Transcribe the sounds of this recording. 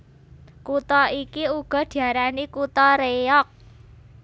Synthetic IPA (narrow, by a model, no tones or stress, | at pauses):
kut̪ɔikiuɡ̥ɔ̤d̪̥i̤aɾanikut̪ɔɾejɔk̚